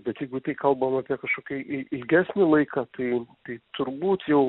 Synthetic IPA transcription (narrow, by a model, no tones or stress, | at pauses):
bʲɛt̪jɛɪɡʊt̪ɐɪkɐlˠbɐmɑːpʲiɛkɐʃkoːkʲɛʔɪɪlʲɡʲæːsʲnʲɪlˠɐɪkɑt̪ɐɪt̪ɐɪt̪ʊɾbuːt̪jɛʊ